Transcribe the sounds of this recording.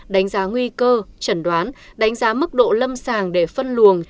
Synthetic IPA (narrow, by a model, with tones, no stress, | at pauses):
ɗa˨˦jŋ̟zaː˨˦ŋwi˧kəː˧t͡ɕə˧˩nɗwaː˨˦nɗa˨˦ŋ̟zaː˨˦mɨ˦˥k̚ɗo̰˧˨lə˧msaː˨˩ŋɗe˧˩fə˧nlu˨˩əŋ